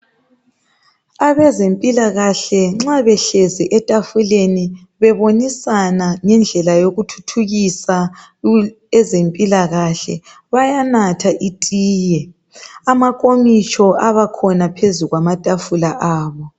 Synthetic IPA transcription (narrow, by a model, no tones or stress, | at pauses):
aβɛzempʼilaɣaɬɛŋ͡ǁaβɛɬeziʔɛtʼafuleni | βɛβonisanaŋɛnd͡ɮʱɛlajoɣutʰu̥tʰuɣisa | ɛzempʼilaɣaɬɛ | βajanatʰaʔitʼiːjɛ | amakʼomit͡ʃʼʰɔʔaβakʰɔnapʰezuɣwamatʼafulaʔaːβɔ